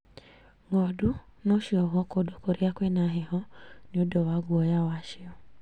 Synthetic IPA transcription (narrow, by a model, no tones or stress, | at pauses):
ŋɔ̃dunɔ̃ʃiɔɦɔkodokoɾiakʷenãɦehɔ̃nĩodɔwaɡuɔjawaʃeɔ